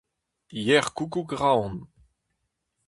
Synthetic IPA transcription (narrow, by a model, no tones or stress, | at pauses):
jɛʁkukuɡʁawn